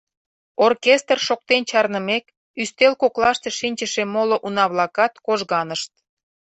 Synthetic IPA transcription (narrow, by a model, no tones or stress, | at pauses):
orkʲest̪rʃok̚t̪ent͡ɕɑrnəmek | yst̪elkoklɑʃt̪eʃinʲt͡ɕəʃemoloʔunɑβlɑkɑt̪koʒɣɑnəʃt̪̚